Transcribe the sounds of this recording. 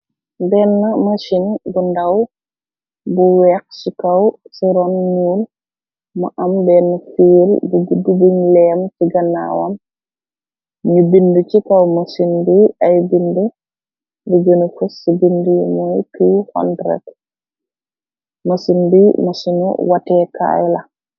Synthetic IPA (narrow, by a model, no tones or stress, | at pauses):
bɛːnːɐmɐʃinbundɐw | buwɛːk̚sikɐwsiɾɔnɲuːl | mɐʔɐmbɛnːɐfiːlbuɡudːubuɲlɛːmsiɡɐna̰ːwɐm | ɲubindut͡ʃikɐwmɐsinbiɐjbindu | diɡənufusːibindujmɔjkiwhɔ̰ndɾɛ̰t | mɐsinbimɐsinṵwatɛka̰jlɐ